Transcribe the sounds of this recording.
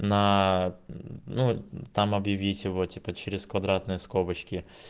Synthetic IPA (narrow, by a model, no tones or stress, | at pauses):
nɐ | nut̪amɐbjɪvʲitʲjɪvotʲipət͡ɕɪɾʲɪskvɐd̪ɾat̪nɨjəskobət͡ɕkʲɪ